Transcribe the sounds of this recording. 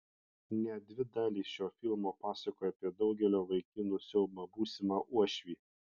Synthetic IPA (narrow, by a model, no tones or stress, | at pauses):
nʲɛd̪ʲʋʲɪd̪ɑːlʲiːsʃʲoːfʲɪlˠmoːpɑːsɐkoːjɛɐpʲiɛd̪ɒʊɡʲɛlʲoːʋɐɪkʲɪnuːsʲɛʊmɑbuːsʲɪmɑːʔuɔʃʲʋʲiː